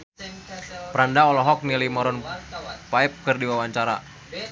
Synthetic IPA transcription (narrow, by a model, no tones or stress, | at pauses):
pɾandaɔlɔɦɔk̚nilimɔɾɔnpaɛp̚kərdiwawaɲt͡ʃaɾa